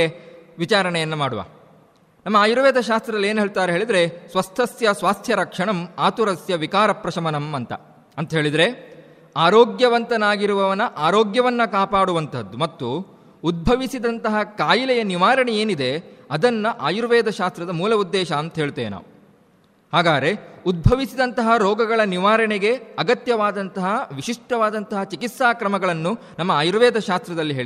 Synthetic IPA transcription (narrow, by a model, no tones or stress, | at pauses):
ʋit͡ʃaːɾɐɳɛjɐnːɐmaːɽuʋa̰ː | nɐmːɐaːjuɾɐʋɛːd̪ʱɐʃaːst̪ɾɐd̪ɐlːeːnɦeːɭt̪aːɾeɦeːɭid̪ɐɾe̞sʋɐst̪ʰɐsjɐsʋaːst̪ʰjɐɾɐkʂɐɳɐmaːt̪uɾɐsjɐʋikaːɾɐpɾɐʃɐmɐnɐmɐnt̪ɐ̰ | ɐnt̪ɐɦe̞ːɭid̪ɐɾe̞ | aːɾoːɡjɐʋɐnt̪ɐnaːɡiɾuʋɐʋɐnɐʔaːɾoːɡjɐʋɐnːɐkaːpaːɽuʋɐnt̪ʰɐd̪ːumɐt̪ːuː | d̪̚bʱɐʋisid̪ɐnt̪ɐɦɐkaːjilɛjɐniʋaːɾɐɳeeːnid̪e̞ɐd̪ɐnːɐʔaːjuɾʋɛːd̪ʱɐʃaːst̪ɾɐd̪ɐmuːlɐud̪ːɛːʃɐːnt̪ɐɦeːɭt̪eːʋena̰ːʋu | haːɡaːɾe̞ud̪̚bʱɐʋisid̪ɐnt̪ɐɦɐɾɔːɡɐɡɐɭɐniʋaːɾɐɳeɡe̞ɐɡɐt̪jɐʋaːd̪ɐnt̪ɐɦɐʋiʃiʂʈɐʋaːd̪ɐnt̪ɐɦɐt͡ʃikit̪saːkɾɐmɐɡɐɭɐnːunɐmːɐaːjuɾʋɛːd̪ʱɐʃaːst̪ɾɐd̪ɐlːiɦeː